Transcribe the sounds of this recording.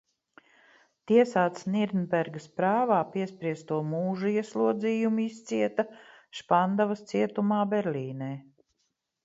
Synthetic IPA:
t̪iɛsaːt̪sniɾnbɛɾɡɐspɾaːvaːpiɛspɾiɛst̪uɔmuːʒuiɛslˠuɔd̪ziːjumist̪siɛt̪ɐʃpand̪avɐst̪siɛt̪umaːbɛɾlʲiːnɛː

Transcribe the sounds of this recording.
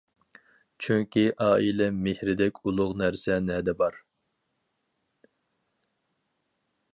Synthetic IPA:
t͡ʃʰyŋkʲiʔɑːʔilɛmehɾɪd̪ɛkʲʰulˠʊʁnæɾsɛnɛd̪ɛbɑɾ

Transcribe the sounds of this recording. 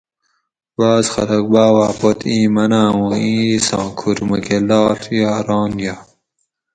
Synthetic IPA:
baːzxɐ̰lɐk̚baːwaːpot̪ʰĩːmɐnaːwoĩːsɑ̰̃ːkʰuɾmɐkelɑːɬjɑːɾɑːnja

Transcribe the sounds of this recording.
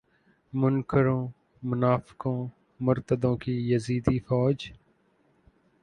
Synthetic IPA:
mʊnkəɾõː | mʊnaːfɪ̥kõː | mʊɾt̪əd̪õːkijəziːd̪ifɔːd͡ʒ

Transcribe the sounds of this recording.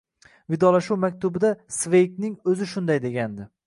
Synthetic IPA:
vɪd̪ɒlaʃuwmakʲt̪ʊbɪd̪asve̞jknɪŋɵzɪʃʊnd̪ajd̪e̞ɡʲand̪ɪ

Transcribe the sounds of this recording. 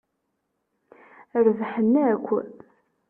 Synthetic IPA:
əɾvħənːækʷːæ̰ð

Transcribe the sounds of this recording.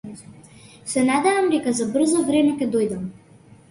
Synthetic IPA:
sɛnad̪ɛvamd̪ɛkazabr̩zɔvɾɛmɛkʲɛd̪ɔjd̪am

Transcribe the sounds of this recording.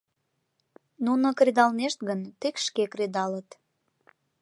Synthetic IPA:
nunəkrʲed̪ɑlneʃt̪̚ɡənt̪ekʃkekred̪ɑlət̪

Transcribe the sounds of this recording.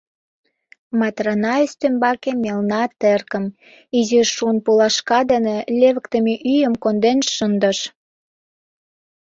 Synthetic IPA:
mɑt̪rɑnɑest̪ømbɑkemelnɑt̪erkə̆m | iziʃuənpulɑʃkɑd̪ənĕlʲeβə̆kt̪ə̆meʔyjəmkond̪enʃənd̪əʃ

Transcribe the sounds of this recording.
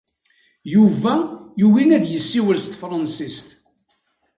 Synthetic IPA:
juvæjuwinæd̪jəsːiwəɾst̪fɾˤɑnsist̪

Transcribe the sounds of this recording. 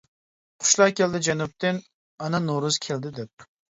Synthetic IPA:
qʰʊ̥ʃlˠɑːkʲeld̪ɪd͡ʒɛnup̚t̪ʰɪn | ɑnɑnoɾʊzkʲʰeld̪ɪd̪ɛp̚

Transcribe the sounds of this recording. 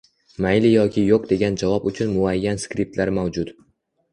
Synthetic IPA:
majlɪjɒkʲʰɪjoq̚d̪e̞ɡʲand͡ʒavɒpʊt͡ʃʰʊnmʊajːanskɾip̚t̪laɾmawd͡ʒʊt̪

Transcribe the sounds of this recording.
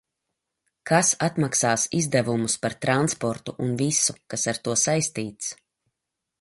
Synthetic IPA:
kʰasat̪maksaːsizd̪ɛvumuspaɾt̪ɾanspɔɾt̪uʔunvisukasaɾt̪uɔsajst̪iːt̪s

